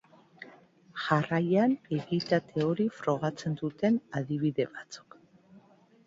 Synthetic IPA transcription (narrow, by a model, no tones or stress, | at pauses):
ʝarajaneɣit̪at̪e̞o̞ɾifɾo̞ɣ̞at͡se̞nd̪ut̪e̞naðiβ̞iðe̞βat͡su̥k